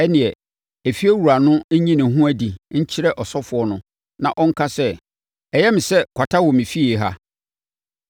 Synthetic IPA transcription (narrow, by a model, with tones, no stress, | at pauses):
ɛ˦nɪ̃˨ɛ˨ | e˨fi˦e˦wu˨ɾa˨nʊ̃˦ɲĩ˦nɪ̃˨˦ɦũ˦æ˨di˨ɲ̩˦t͡ɕʰɪ˦ɾɛ˦ʔɔ˨sɔ˦fʊ˨ɔ˦nʊ̃˨ | nã˨ʔɔ˦ŋ̩˦kʰa˦sɛ˦ | ɛ˨jɛ˦mɪ̃˨sɛ˦kʰʷa˨tʰa˦wɔ˨mĩ˨fi˦e˨ɦa̰˦